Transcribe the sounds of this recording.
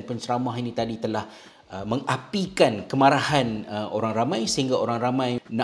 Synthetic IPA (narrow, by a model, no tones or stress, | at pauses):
npənt͡ʃəɾamaɦinĩt̪adit̪əlah | əmə̃ŋapikankəmaɾahanəʔoɾaŋɾamãjsəɦiŋɡaoɾaŋɾamãjnã